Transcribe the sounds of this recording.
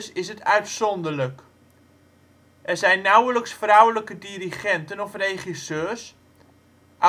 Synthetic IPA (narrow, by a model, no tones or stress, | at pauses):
sɪsɦətʰœɥtsɔndələk | ʔɛrzɛjnːawələksfrawləkədiɾiχɛntənɔfrejχisøːs | ʔ